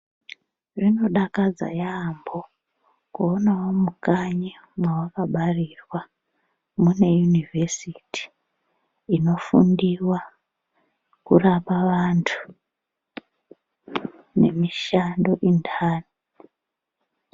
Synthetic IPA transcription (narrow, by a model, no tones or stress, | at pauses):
ʐino̞ɗakad͡za̰jambo̞ | kuonawo̞mukaɲi | mwawakaɓarirwa | mune̞junivʱesitʰi̥ | ino̞fṵndiwa | kṵrapaʋantʰu̥ | ne̞̰miʃando̞ʔindʰaːni